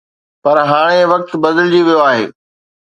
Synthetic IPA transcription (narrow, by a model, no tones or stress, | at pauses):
pɐɾɦaːɽ̃eʋɐk̚t̪bɐd̪əld͡ʑiʋijoaːɦḛː